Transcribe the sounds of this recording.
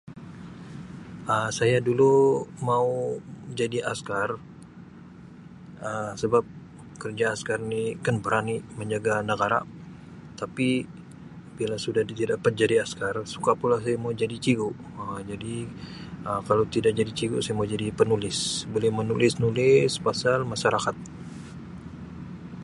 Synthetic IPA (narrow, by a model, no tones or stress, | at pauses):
əsajadulumaud͡ʒadiʔaskar | əsəbap̚ | kərd͡ʒaːskarnikanbəɾaniməɲd͡ʒaɡanəɡaɾa̰ | t̪api | b̥ilasudat̪idapat̪̚d͡ʒadiaskarsu̥kapulas̬ajamaud͡ʒadit͡ʃiɡuʔ | əd͡ʒadi | əkalot̪idak̚d͡ʒadit͡ʃiɡuʔsajamaud͡ʒadipənulɪsbolɛhmənulɪsnulɪspasalmaʃaɾakat̪̚